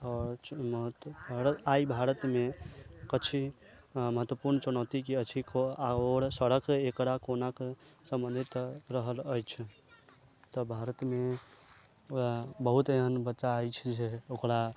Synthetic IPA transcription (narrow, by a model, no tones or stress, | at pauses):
ɔːɾməɦət̪ɾaibʱaɾət̪mekət͡ʃʰi | məɦət̪wəpuɾnət͡ʃunɔt̪ikiət͡ʃʰikoaoɾsəɽəkekɽakonakesə̃mbənd̪ʱit̪ɾəɦələjt͡ʃʰ | t̪ɔbʱaɾət̪me | abəɦut̪eɦənbətːʃaəjt͡ʃʰd͡ʒeokɾa